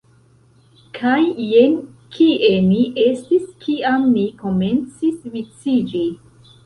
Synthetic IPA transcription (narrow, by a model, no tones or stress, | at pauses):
kʰajːen | kʰiʔe̞miʔe̞stiskʰiamːiko̞me̞nt͡sisvit͡sid͡ʒi